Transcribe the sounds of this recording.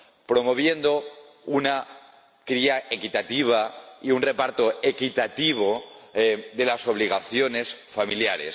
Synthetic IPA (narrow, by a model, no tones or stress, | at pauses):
pɾo̞mo̞β̞je̞nd̪o | una | kɾiaʔe̞kit̪at̪iβ̞aiunre̞paɾt̪o̞ekit̪at̪iβ̞o̞ | ðe̞laso̞β̞liɣ̞aθjo̞ne̞sfamiljaɾe̞̰s